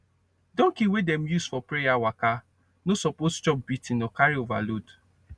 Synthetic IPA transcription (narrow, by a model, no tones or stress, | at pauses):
dɔ̃ŋkiwedɛ̃m̩jusfɔpɾejawaka | nosɔpost͡ʃɔp̚bitĩnɔkaɾiova̰lod